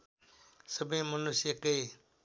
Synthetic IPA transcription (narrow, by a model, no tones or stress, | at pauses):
səbʱẽːmənʊsjəkəeː